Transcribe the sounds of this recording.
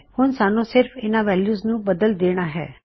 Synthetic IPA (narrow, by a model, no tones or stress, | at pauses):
hʊnsaːnõsɪɾfʰɪnãʋɛːljuːznũbɐd̪əld̪eːɽ̃aɦɛ̰ː